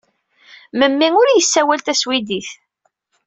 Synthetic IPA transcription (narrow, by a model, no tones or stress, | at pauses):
məmːiŋʊɾjəsːæwælt̪æswid̪iθ